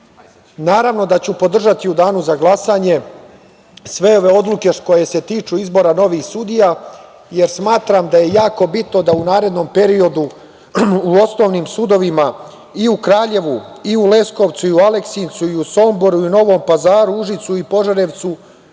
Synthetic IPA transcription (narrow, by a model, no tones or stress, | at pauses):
naːɾaʋno̞d̪at͡ɕupo̞d̪r̩ʒat̪iud̪aːnuzaɡlˠasaːɲe̞ | sʋe̞o̞ʋe̞o̞d̪lˠuke̞ko̞je̞se̞t̪iːt͡ʃuizbo̞ɾano̞ʋixsud̪ija | je̞ɾsmaːt̪ɾamd̪aje̞jaːko̞bit̪no̞d̪aunaːɾe̞d̪no̞mpe̞ɾio̞d̪u | uo̞sno̞ːʋniːmsud̪o̞ʋima | iukɾaːʎe̞ʋuiule̞sko̞ʋt̪suiuale̞ksint̪suiuso̞mbo̞ɾuino̞ʋo̞ːmpazaːɾuuʒit̪suipo̞ʒaɾe̞ʋt̪su